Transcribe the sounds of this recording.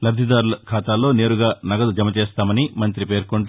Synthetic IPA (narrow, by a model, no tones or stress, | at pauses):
lɐbd̪ʱid̪aːɾulɐkʰaːt̪aːlːo̞ːne̞ːɾuɡaːnɐɡɐd̪ud͡ʒɐmɐt͡ʃeːst̪aːmɐnimɐnt̪ɾipe̞ːɾkoɳʈ